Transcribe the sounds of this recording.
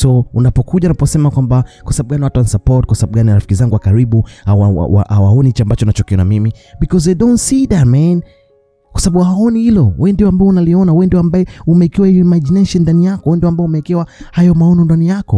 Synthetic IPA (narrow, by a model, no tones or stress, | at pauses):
sɔunapɔkuʄaunapɔsɛmakwambakwasaaɓuɡaniwatuanisapɔɾt̚kwasaaɓuɡaniɾafi̥kizaŋɡuwakaɾiɓuhawaa̰wa̰ʔawaɔnihit͡ʃambat͡ʃɔnat͡ʃɔkiɔnamimibikɔzedɔ̃ntsidamɛn | kwasaɓaɓuhaɔnihilɔwɛndiwɔambaɛunaliɔnawɛndiambaɛumɛikɛwahijɔmad͡ʒinɛʃɛndanijakɔwɛndiwambaɛumɛkɛwahajɔmaɔnɔndanijakɔ